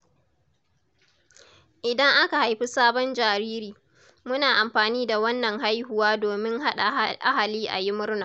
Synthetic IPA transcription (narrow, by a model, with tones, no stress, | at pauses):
ʔɪ˨dɐ˦ŋʔa˦ka˨ha˨jɸi˦saː˦bɔ˦nd͡ʒaː˨ɾiː˦ɾiː˨ | mʊ˦naː˨ʔa˨mɸaː˨niː˦da˨wɐ˦nːɐ˨ŋɦa˦jhʊ˨waː˦doː˨mɪ˦ŋɦa˦ɗa˨ʔa̰˦ha˨liː˦ʔa̰˨jɪ˦mʊ˦ɾnaː˨